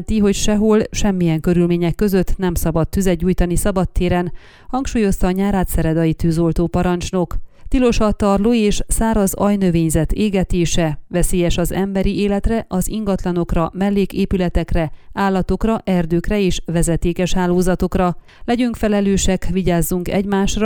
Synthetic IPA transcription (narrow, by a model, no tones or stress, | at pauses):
nt̪iɦo̞cʃɛɦolʃɛmːijɛŋkøɾylmeːɲɛkːø̞zø̞t̪ːnɛmsɒbɒt̪ːyzɛuːjt̪ɒnisɒbɒt̪ːeːɾɛn | hɒŋkʃuːjo̞st̪ɒːɲaːɾaːt̪sɛɾɛd̪ɒjit̪yːzo̞lt̪oːpɒɾɒnt͡ʃno̞kt̪ilo̞ʃɒt̪ɒrloːeːʃsaːɾɒzɒjnø̞veːɲzɛt̪eːɡɛt̪eːʃɛvɛseːjɛʃɒzɛmbɛɾieːlɛt̪rɛʔɒziŋɡɒt̪lɒno̞krɒmɛlːeːkeːpylɛt̪ɛkrɛaːlːɒt̪o̞krɒʔɛrd̪øːkrɛeːʃʋɛzɛt̪eːkɛʃhaːloːzɒt̪o̞krɒ | lɛɟyŋkfɛlɛløːʃɛkʋiɟaːzːuŋkɛ̰ɟmaːʃr